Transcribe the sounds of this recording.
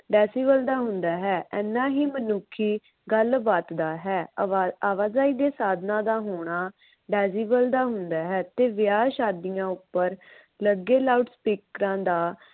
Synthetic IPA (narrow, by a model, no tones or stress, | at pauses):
ɖɛːsiːbəld̪aːɦʊnd̪aːɦɛːʔɛːnːãːɦiːmənʊkʰːiː | ɡəlbaːt̪d̪aːɦɛːaːʋaːzaːiːd̪eːsaːd̪nãːd̪aːɦoːɽ̃aː | ɖɛːziːbəld̪aːɦʊnd̪aːɦɛːt̪eːʋɪjaːʃaːd̪ijãːʊpːəɾ | ləɡeːlaːuʈspiːkɾãːd̪aː